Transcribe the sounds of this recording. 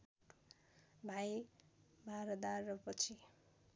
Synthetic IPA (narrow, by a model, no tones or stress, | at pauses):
bʱaj | bʱaɾʌd̪arːʌpʌt͡sʰi